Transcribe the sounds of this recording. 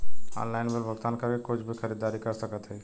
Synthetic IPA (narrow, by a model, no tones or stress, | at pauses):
ɔ̰ːnlaɪnbəɾbʱəɡt̪ankəɾkekʊt͡ʃʰbʱikʰəɾid̪aːɾikəɾsəkət̪ɦɛ